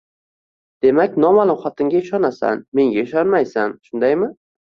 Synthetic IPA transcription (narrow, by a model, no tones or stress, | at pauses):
d̪̥e̞makʲnɒmalˠʊmχɒt̪ʰɪŋɡʲaɪʃɒnasa̰nme̞ŋɡʲaɪʃɒnmajsanʃʊnd̪ajmɪ